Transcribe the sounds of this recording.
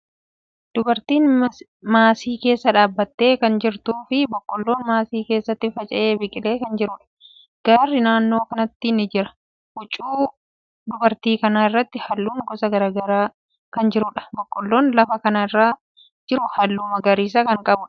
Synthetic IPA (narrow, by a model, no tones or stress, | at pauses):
d̪̥ʊbɐɾt̪iːn | maːsiːke̞ːsːɐᶑaːbːɐt̪ːe̞ːkɐnd͡ʒɪɾt̪uːfɪbɔkʼːɔlːo̞ːnmaːsiːke̞ːsːɐt̪ːɪfɐt͡ʃʼɐʔeːbɪkʼɪle̞ːkɐnd͡ʒɪɾʊᶑɐ̥ | ɡ̥aːrːɪnaːnːo̞ːkɐnɐt̪ːɪnːɪd͡ʒɪɾɐ | ʔʊt͡ʃʼːuː | d̪ʊbɐɾt̪iːkɐnaːɪrːɐt̪ːɪhɐlːuːŋɡɔsɐɡɐɾaːɡɐɾaː | kɐnd͡ʒɪɾʊᶑɐ̥bɔkʼːɔlːo̞ːnlɐfɐkɐnaːɪrːaː | d͡ʒɪɾʊhɐlːuːmɐɡɐɾiːs̬ɐkɐŋkʼɐbʊ